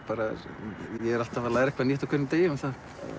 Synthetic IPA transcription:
paːɾa | jɛɛɾal̥t̪avalaːɾɛhkvaniht̪akʰʏɾnɪt̪eːjɪmɛnθa

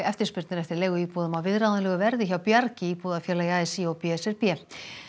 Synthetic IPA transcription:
ɛft̪ɪ̥ɾspʏɾt̪nɪnɛft̪ɪɾleːjɣʏiːpuːðʏmawvɪðɾaððanlɛɣʏvɛɾðɪçawpjaɾcɪiːpuðafjɛːlajaːɛsiowpiːɛsɛɾpɛː

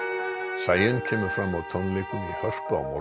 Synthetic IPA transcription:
saːjɪncʰɛːmʏɾfɾamːawt̪ʰɔnlekʏnihœr̥pɔ̰nɔ̰

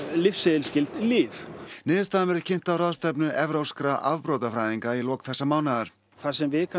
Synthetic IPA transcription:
lɪfsɪðɪlscɪlt̪liːfnɪːðʏst̪amɛɾɪ̥cʰɪn̥t̪awrawst̪ɛp̬nʏʔɛvɾowskɾaʔavpɾoːwt̪afɾajðiŋkailɔːkθɛsːamaːwnaðaɾ̥ | θasɛmvɪðkʰa

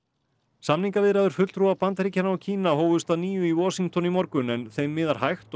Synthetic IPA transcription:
samniŋkavɪðɾaðʏɾ̥fʏt̪t̪ʰɾuapant̪aɾicanaɔcʰiːnahoːwvʏst̪aðniːjʏiwɔːsiŋk̚t̪ʰɔnimɔɾkʏnɛnθejmːɪːðaɾ̥hajxt̪

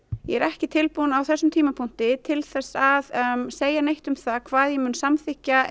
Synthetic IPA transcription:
jɛɛɾɛhcɪt̪ʰɪlpunawθɛsːʏmt̪ʰiːmapʰun̥t̪ɪt̪ʰɪlθɛsːaðseːjanejht̪ʏmθakʰvaːðjɛmʏnsamθɪhcːa

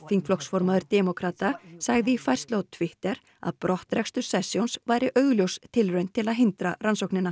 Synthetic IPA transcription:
fiŋkflɔksfɔɾmaðʏɾt̪ɛmɔkʰɾat̪asaɣðɪifajr̥st̪lowtt̪ʰvɪht̪ɛɾ | a̰ðpɾɔht̪ɾɛkst̪ʏ̥sɛsjownsvajɾɪʔœːɥɣljowst̪ʰːɪlrœɥnt̪ʰːɪlaðɦɪnt̪ɾaransowknɪna

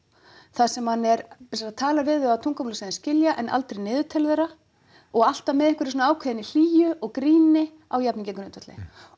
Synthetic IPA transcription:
θasɛmhanːɛɾpɪsaɾat̪ʰaːlavɪðɪat̪ʰuŋkamulseðɪnscɪljaʔɛnʔa̰lt̪ɾejnɪːðʏt̪ʰɛlðɛɾa | ɔɣal̥t̪amɛðɪhkvʏɾsɔnaaːwkʰɛðɪnɪl̥iːjʏʔɔɣkɾiːnɪ | awjapniɲcɪkɾʏnt̪vɛt̪ɪ̰

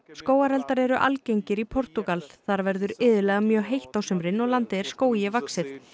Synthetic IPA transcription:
skoːwaɾɛlt̪aɾɛɾʏʔa̰lcejɲcɪɾipʰɔɾ̥t̪uɣalθaɾvɛɾðʏɾɪːðʏlɛːɣamjœːɦejht̪awsʏmɾɪnːɔlant̪ɪɛɾ̥skoːwjɛvaksɪð

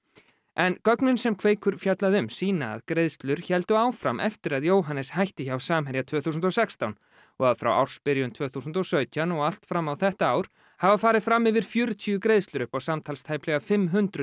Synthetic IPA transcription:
ʔɛnkœknʏnsɛmkʰveːjkʏɾ̥fjɛt̪laðʏmsiːna̰ðkɾejðst̪lʏɾ̥çɛlt̪ʏaːwfɾa̰mʔɛ̰ft̪ɪɾaðjoːwɦanːɛshajht̪ɪçawsaːmɦɛɾjat̪ʰvœːθus̬nt̪ɔsɛkst̪awn | ɔɣaðfɾa̰wa̰wr̥spɪɾjʏnt̪ʰvœːθus̬nt̪ɔsœːɥt̪ʰjanɔɣal̥t̪fɾamːawθɛht̪aaːwɾ̥ | havafaːɾɪðfɾamːɪvɪɾ̥fjʏɾt̪ʰijʏkɾejðst̪lʏɾʏhpawsamt̪ʰalst̪ʰajplɛɣafɪmːɦʏnt̪ɾʏ

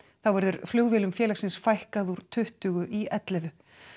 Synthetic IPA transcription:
θawvɛɾðʏɾ̥fljoːɣvjɛlʏmfjɛːlaxsɪnsfajhkaðuɾ̥t̪ʰʏht̪ʏɣʏʔiɛt̪lɛvʏ

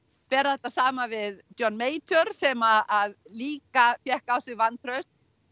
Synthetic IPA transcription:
pɛːɾaðɛt̪ːasaːmavɪðt͡ʃjɔnːmeːjt͡ʃœɾ̥sɛmaaðliːkafjɛhkaːwsɪɣvant̪ɾœɥst̪

